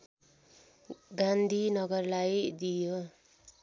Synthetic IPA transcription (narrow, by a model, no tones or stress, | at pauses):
ɡand̪ʱinʌɡʌrlajd̪ijo